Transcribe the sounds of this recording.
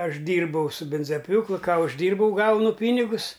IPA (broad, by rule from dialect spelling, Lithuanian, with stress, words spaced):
ˈɐʃ ˈdʲiːrbɐʊ sʊ ˈbʲɪnzɐˈpʲjuːklˠʊ ˈkɑː ʊʒʲˈdʲiːrbɐʊ ˈɡɐʊnʊ ˈpʲiːnʲɪɡʊs